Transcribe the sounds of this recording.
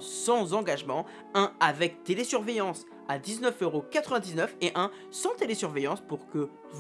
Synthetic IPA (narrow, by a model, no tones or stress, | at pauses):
sɑ̃zɑ̃ɡaʒmɑ̃ | ɛ̃avɛk̚t̪elesyʁvejɑ̃s | ad̪iznœføʁokat̪χəvɛ̃d̪iznœfeʔɛ̃ | sɑ̃t̪elesyʁvejɑ̃spuʁkə | v